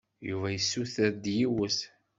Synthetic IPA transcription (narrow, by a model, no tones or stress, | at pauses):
juvæjəsːuθæd̪jiwəs